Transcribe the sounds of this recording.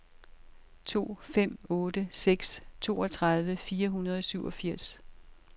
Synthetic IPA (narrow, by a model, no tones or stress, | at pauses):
t͡sʰo̝̰ːfem̰ɔ̽ːdəseɡ̥st͡sʰo̝̰ːɒ̽t͡sʰʁɑð̞ˠʋəfiːɐɦunɐð̞ˠɒ̽syʊʔɒ̽fiɐ̰s